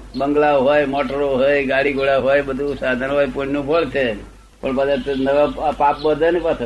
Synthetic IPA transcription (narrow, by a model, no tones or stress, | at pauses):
bəŋɡlaoɦojmoʈəɾoɦojɡaɽiɡʱoɽaɦojbəd̪ʱusad̪ʱanɦɔjpuɽnũbʱəɭt͡ʃʰe | pəɳpəd̪et̪nəʋapap̚bəd̪ʱənipat̪ʰ